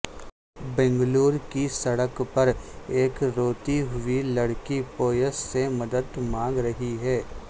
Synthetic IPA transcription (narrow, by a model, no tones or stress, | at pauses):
bɛ̃ːŋɡluːɾkisɐɽəkpɐɾeːkɾoːt̪iɦʊilɐɽkipoːjəsːemɐd̪əd̪mãːŋɡɾɐɦiɦɛː